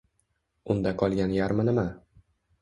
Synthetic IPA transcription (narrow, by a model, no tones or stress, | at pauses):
ʊnd̪aqʰɒlˠɡʲanjaɾmanɪma